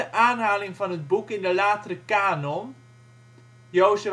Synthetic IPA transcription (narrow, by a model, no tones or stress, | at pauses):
əʔaːnɦaːlɪŋvɑnɦəd̚bukɪndəlaːtərəkaːnɔn | jowzə